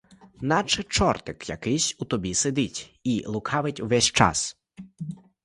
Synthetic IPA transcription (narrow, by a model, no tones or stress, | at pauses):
nɑt͡ʃet͡ʃɔrt̪ɪkjɐ̰kɪjsʲut̪ɔbʲised̪ɪtʲilˠʊkʰɑʋɪtʲwʋɛsʲt͡ʃɑ̰s